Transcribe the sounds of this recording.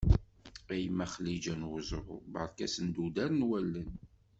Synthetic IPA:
æjəmːæχlːid͡ʒænwʊzˤəɾ̰ˤbə̰ɾˤkæsənd̪ud̪æɾnwælːən

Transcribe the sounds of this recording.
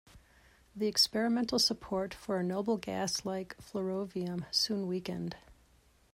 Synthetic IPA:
ðiɨkspɛɹɨmɛ̃ntˡl̩ˠsəpʰɔɹtfə˞ɨnoʊbl̩ˠɡæ̰slaɪkflə˞oʊviə̃msũnwikɨ̰̃nd̥

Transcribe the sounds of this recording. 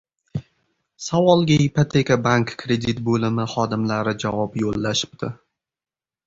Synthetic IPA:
savɒlˠɡʲaɪpot̪ʰekabaŋkːʰɾe̞d̪it̪bolɪmɪχɒd̪ɪmlaɾɪd͡ʒavɒpjolːaʃɪ̥p̚t̪ʰɪ

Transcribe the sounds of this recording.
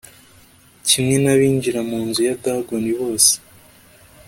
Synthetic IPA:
cimŋe̞naβiːɲɟiɾamuːnzujadaɡoniβo̞ːse̥

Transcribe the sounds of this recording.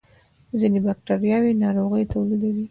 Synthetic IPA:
zinebak̚ʈaɾjɑwinɑɾoɣəjt̪awlid̪awi

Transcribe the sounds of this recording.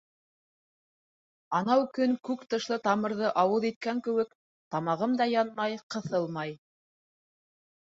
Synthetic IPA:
ɑnɑwkɵŋkʉkt̪ɤ̆ʃlˠɤt̪ɑmɤ̆ɾðɤʔɑwɤðit̪̚kæŋkɘ̆wɘk | t̪ɑmɑʁɤmd̪ɑjɑnmɑjqɤ̆θɤlˠmɑj

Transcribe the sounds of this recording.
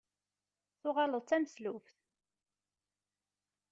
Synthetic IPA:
θʊʁɑləðˤt͡sːæməslufθ

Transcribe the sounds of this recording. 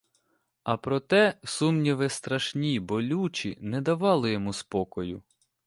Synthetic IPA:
ɐpɾɔt̪ɛsumnʲiʋɪst̪ɾɐʃnʲibɔlʲut͡ʃinɛd̪ɐʋɑlˠɪjɔmuspɔkɔjʊ

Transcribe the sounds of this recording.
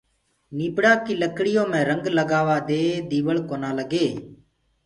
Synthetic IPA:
niːpɽaːkiːləkɽɪjõːmɛ̃ːɾəŋɡləɡaːʋaːd̪eːd̪iːʋəɭkoːnaːləɡeː

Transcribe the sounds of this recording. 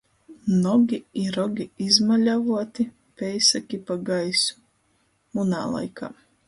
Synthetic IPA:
nɔɡʲiiɾɔɡʲiizmalʲavuɔt̪i | pʲɛjsakʲipaɡajsu̥ | muna̰ːlˠa̰jkʰa̰ː

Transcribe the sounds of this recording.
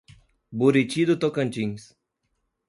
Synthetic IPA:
buɾit͡ʃid̪ut̪okɐ̃nʲt͡ʃĩŋs

